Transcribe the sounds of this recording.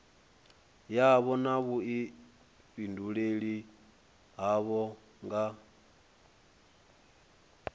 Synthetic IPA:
jaβɔnaβui | ɸinduɺeɺi | ɦaβɔ | ŋɡa

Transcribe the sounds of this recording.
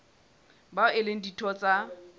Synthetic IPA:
baʊɪleŋ̩ditʰɔt͡sʼa

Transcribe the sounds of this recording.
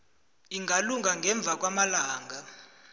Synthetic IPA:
iŋɡʱaluŋaŋɡʱɛɱb̪vʱak̬ʼwamalaːŋɡʱa

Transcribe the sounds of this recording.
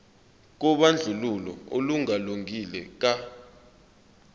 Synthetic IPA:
k̬ɔɓand͡ɮʱululɔ̰oluŋaluŋilɛk̬a

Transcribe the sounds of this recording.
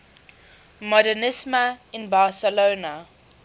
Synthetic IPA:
mɔdənɪsməɪ̃nbaːsəloːnə

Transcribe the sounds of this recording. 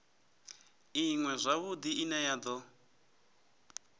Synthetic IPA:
iŋwɛzʷaβud̪iinajad̪ɔ

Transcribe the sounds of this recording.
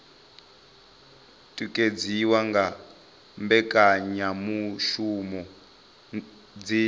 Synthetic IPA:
tʼikʼed͡ziwaŋɡa | mbɛkʼaɲamuʃumɔ | d͡zi

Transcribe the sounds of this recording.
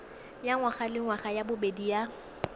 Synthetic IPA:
jaŋwaχalɪŋwaχajabʊbedija

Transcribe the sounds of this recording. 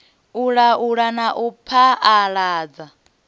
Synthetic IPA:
uɺauɺanaʔupʰaːɺaːd͡za

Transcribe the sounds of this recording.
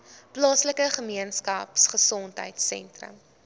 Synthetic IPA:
plɑːsləkəχəmiənskɐ̰psχəsɔntɦə̰jtsɛ̰ntrə̰m

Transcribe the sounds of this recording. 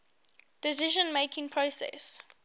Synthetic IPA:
d̥ɪsɪʒə̃nmeɪkɪ̃ŋpʰɹosɛ̰s

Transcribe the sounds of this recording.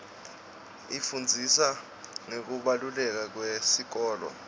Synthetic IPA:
ifund͡zʱisa | ŋek̬uɓalulɛk̬ak̬wesik̬ɔːlɔ̰

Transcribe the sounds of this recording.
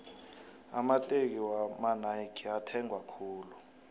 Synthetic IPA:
a̰matʼek̬iwamanaikʰiatʰɛŋʱwakʰuːlu

